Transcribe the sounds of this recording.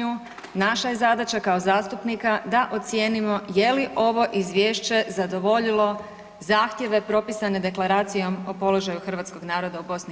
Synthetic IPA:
u | naʃaje̞zad̪at͡ʃakaozaːst̪upnikad̪aʔo̞t̪sʲje̞ːnimo̞je̞liʔo̞ʋo̞ʔizʋjeːʃt͡ɕe̞zad̪o̞ʋo̞ʎilo̞ | zaːxt̪je̞ʋe̞pɾo̞pisane̞d̪e̞klˠaɾaːt̪sijo̞mopo̞lo̞ʒajuxr̩ʋat̪sko̞ɡnaːɾo̞d̪aubo̞sni

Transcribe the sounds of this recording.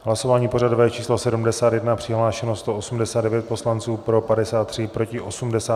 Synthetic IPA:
ɦlaso̞vaːɲiːpo̞radovɛːt͡ʃiːslosɛdumdɛsaːt̪jɛdnapr̝̥ɪɦlaːʃɛnost̪o̞ʔosumdɛsaːdɛvjɛt̪̚po̞slant͡suːpɾo̞padɛsaːt̪ːr̝̥ɪpɾo̞cɪʔo̞sumdɛsaː

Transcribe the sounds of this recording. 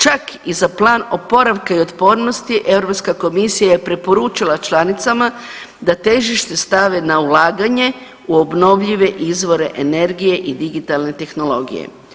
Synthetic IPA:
t͡ʃakizaplˠaːno̞po̞ɾaʋkaio̞t̪po̞ːɾno̞st̪iʔe̞ʋɾo̞pskako̞misijaje̞pɾe̞po̞ɾut͡ʃilˠat͡ʃlˠanit̪sama | d̪at̪e̞ʒiʃt̪e̞st̪aʋe̞naulaːɡaɲe̞ | uo̞bno̞ʋʎiʋe̞ʔizʋo̞ɾe̞ʔene̞ɾɡije̞ʔid̪iɡit̪alˠne̞t̪e̞xno̞lo̞ɡḭjḛ

